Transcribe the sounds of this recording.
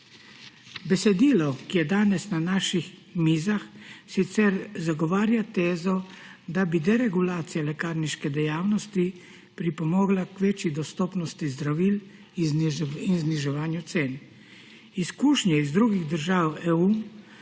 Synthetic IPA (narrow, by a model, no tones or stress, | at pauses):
bɛsɛd̪iːlɔkijɛd̪aːnɛsnanaːʃixmiːzaxsit̪sɛɾzaɡɔʋaːɾjat̪eːzɔd̪abid̪ɛɾɛɡulaːt̪sijalɛkaːɾniʃkɛd̪ɛjaːwnɔst̪i | pɾipɔmɔːɡlakʋeːt͡ʃjid̪ɔst̪ɔːpnɔst̪izd̪ɾaʋiːl | iinzniʒɛʋaːnjut̪seːn | iskuːʃnjɛizd̪ɾuɡiɣd̪əɾʒaːwɛu